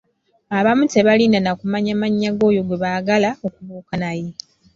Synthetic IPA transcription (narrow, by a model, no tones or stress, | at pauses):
aβamute̞βaliːndanakumaɲamaɲːaɡo̞ːjo̞ɡwe̞βaɡalao̞kuβuːkanaje